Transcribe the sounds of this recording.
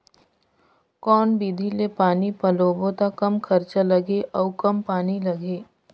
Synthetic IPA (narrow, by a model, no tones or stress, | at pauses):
kɔːnbiːd̪ʱilepaːnipɐloːbot̪akɐmkʰɐɾt͡ʃalɐɡeʔɔːkɐmpaːnilɐɡeː